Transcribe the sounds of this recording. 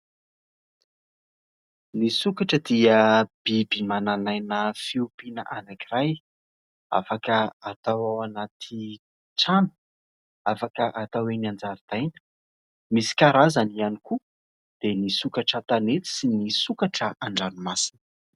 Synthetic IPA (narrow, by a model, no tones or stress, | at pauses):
nisukaʈ͡ʂəd̪iəb̥ibimananajnəfiupinə̰ʔanakiɾaj | a̰fakəat̪awawanat̪ʰi | ʈ͡ʂanə̥ | afakəʔat̪aweniand͡zaɾid̪̥ajnə̥ | misi̥kaɾazanianiku | d̪̥enisukaʈ͡ʂat̪anet͡s̪i̥sinisukaʈ͡ʂəʔaɳɖ͡ʐanimasi̥nə̥